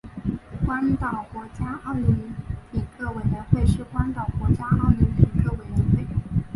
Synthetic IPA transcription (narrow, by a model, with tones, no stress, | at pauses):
kwa˥nt̪ɑ˨˩ʊkwɔ˧˥t͡ɕja˥ɑ˥˧ʊlu˧˥˩li˧˥nli˨˩kɤ˥˩we˨˩ɪɥə˧˥nxwe˥˧ɪʂɻ̩˥˩kwa˥nt̪ɑ˨˩ʊkwɔ˧˥t͡ɕja˥ɑ˥˩ʊlu˧˥li˧˥kɤ˥˩we˨˩ɪɥɛ˧˥nxwe˥˩ɪ